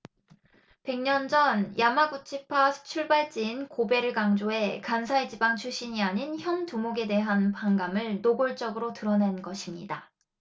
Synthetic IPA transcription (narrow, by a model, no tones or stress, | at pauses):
pe̞ŋɲʌnd͡ʑʌnjʔamaɡut͡ɕʰipʰasʰɯ̥t͡ɕʰuɭbaɭt͡ɕ͈iːnkobe̞ɾɯɭɡaŋd͡ʑoɦe̞kansʰaed͡ʑibaŋt͡ɕʰuɕ͈iɲiaɲinçjʌntumoɡe̞de̞ɦanpaŋɡamɯɭnoɡoɭt͡ɕ͈ʌɡɯɾotɯɾʌne̞nɡʌɕʰimɲḭda